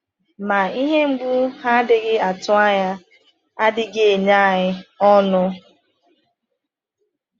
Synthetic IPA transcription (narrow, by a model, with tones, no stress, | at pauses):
ma˨i˦ɦe˦ŋ͡m̩˦ɡ͡bu˦ha˦dɪ˨ɡɪ˦a˨tʊ˦a˦ɲa˦ | a˦dɪ˦ɡe˨e˨ɲa˦a˦˨ɦɪ˦ɔ˦nʊ˦